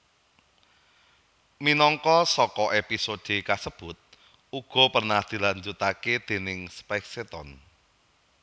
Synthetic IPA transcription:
minɔŋkɔsɔkɔʔepisod̪̥e̤kasəb̥ʊt̪̚ | uɡ̥ɔ̤pərnahd̪̥i̤laɲd͡ʒut̪aked̪̥e̤nɪŋspɛkset̪ɔn

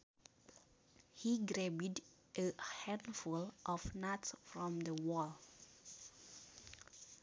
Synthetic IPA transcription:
hiɡɾɛbid | ʔəhæ̃ndfulʔɔfnatsfɹɔ̃mðəwɔlˠ

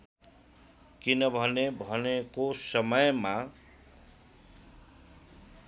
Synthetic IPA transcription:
kinʌbʱʌnebʱʌnekosʌmʌjma

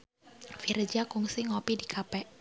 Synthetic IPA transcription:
fiɾd͡ʒakuŋsiŋɔpidikʰapɛʔ

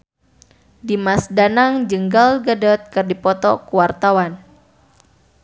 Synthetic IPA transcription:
dimasdanaŋd͡ʒəŋɡalɡadɔt̪̚kɨrdipɔt̪ɔkuwart̪awan

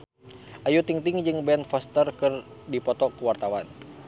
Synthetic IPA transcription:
ʔajut̪iŋt̪ɪŋd͡ʒɨŋbɛnfɔst̪ərkɨr | dipɔt̪ɔkuwart̪awan

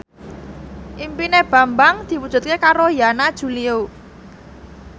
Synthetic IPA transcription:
ʔimpineb̥a̤mbaŋd̪̥i̤wud̥ʒ̥ṳt̪̚kekaɾojanad̥ʒ̥ṳlio

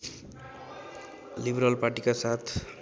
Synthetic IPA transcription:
libɾalparʈikasat̪ʰ

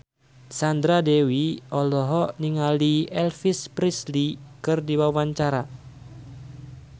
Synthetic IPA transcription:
sand̪ɾadewiɔlɔɦɔʔniŋaliɛlfispɾislikɨrdiwawaɲt͡ʃaɾa

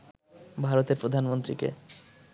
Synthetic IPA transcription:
bʱaɾot̪eɾpɾod̪ʱanmont̪ɾikḛ

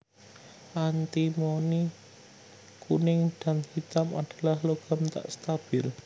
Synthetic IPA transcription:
ʔant̪imoni | kʰunɪŋɖ̥a̤nhit̪amaɖ̥a̤lahloɡ̥a̤mt̪a̰ʔst̪ab̥ɪl

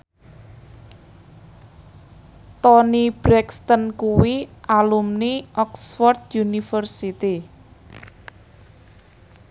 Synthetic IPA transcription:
t̪ɔnib̥ɾɛkst̪ənkuwiʔalumniʔɔksfɔrt̪junifərsit̪i

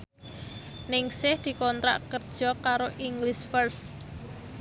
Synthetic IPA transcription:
nɪŋsɪhd̪̥i̤kɔnt̪ɾa̰ʔkərd̥ʒ̥ɔ̤kaɾoʔiŋɡlɪsfərs

